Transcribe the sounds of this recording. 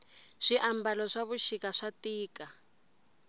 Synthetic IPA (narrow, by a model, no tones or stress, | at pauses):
ʂiʔambalɔʂaβuʃikaʂatiːka